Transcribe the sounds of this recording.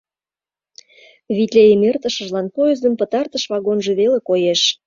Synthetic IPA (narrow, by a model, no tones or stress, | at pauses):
βit̪lʲejemert̪əʃə̆ʒlɑnpojəzd̪ə̆mpə̆t̪ɑrt̪əʃβɑɣonʒĕβelekojeʃ